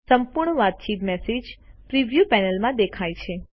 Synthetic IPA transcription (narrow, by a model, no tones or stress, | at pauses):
səmpuɾɳəʋat̪t͡ʃit̪mɛsed͡ʒpɾiʋjupɛnɛlmãd̪ekʰajt͡ʃʰe